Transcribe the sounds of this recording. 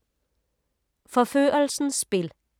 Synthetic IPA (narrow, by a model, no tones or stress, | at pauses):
fɔføːʔəlsn̩sspɪl